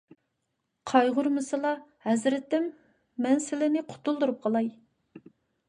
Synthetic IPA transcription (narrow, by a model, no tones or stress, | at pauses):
qʰɑjʁʊɾmɨsɨlˠɑhɛzɾɪt̪ːɪmː | ɛnsɪlɪnɪqʰʊ̥t̪ulˠd̪uɾup̚qʰɑlˠɑj